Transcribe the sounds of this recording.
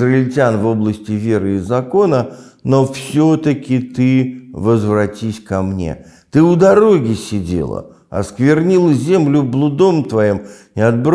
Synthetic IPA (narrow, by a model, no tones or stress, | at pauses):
rəɪlʲtʲanvo̞blˠəsʲtʲɪvʲe̞ɾɨɪzɐko̞nə | nofsʲot̪əkʲɪt̪ɨvəzvɾɐtʲisʲkɐmnʲḛ | t̪ɨʊd̪ɐɾo̞ɡʲɪsʲɪdʲḛlˠə̰ | ɐ̰skvʲɪrnʲilˠəzʲe̞mlʲʊblˠʊd̪o̞mt̪vɐjimnʲɪɐd̪̚bɾ